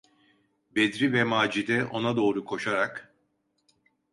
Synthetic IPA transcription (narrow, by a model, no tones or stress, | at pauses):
bed̪ɾivɛmaːd͡ʒid̪ɛʔo̞nad̪o̞ːɾukʰo̞ʃaɾak